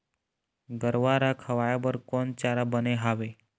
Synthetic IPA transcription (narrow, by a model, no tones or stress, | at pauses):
ɡəɾʋaɾakʰəʋajabəɾkont͡ʃaɾabəneɦaːʋe